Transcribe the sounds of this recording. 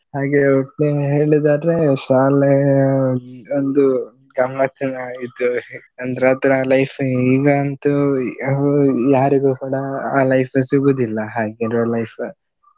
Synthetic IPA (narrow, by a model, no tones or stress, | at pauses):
haːɡeoʈːeɦe̞ːɭid̪aːdɾeʃaːl | ond̪u | ɡɐmːɐt̪ʰɐnɐit̪ːuɐnd̪ɐɾaːt̪ɾeaːlɐjfʰiːɡɐːnt̪u | jaːɾiɡuːkuːɽɐaːlɐjpʰɐsiɡoːd̪ilːɐɦaːɡeɾolɐjpʰ